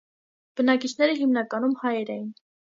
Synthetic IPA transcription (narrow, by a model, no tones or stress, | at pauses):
b̥ənɑkit͡ʃʰnɛɾəɦimnɑkɑnumhɑjɛɾɛjin